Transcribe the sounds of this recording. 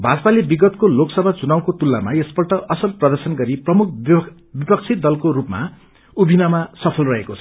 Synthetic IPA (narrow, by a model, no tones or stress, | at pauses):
bʱad͡zʌpalebiɡʌt̪koloksʌbʱad͡zunaw̃kot̪ulːamaesbʌrʈʌʔʌsʌlprʌd̪ʌrsʌnɡʌɾiprʌmuk̚ʰ | bipʌk̚t͡sʰit̪̚d̪ʌlkoɾupma̰ | ubʱinamasʌpʰʌlrʌɦekot͡sʰʌ̥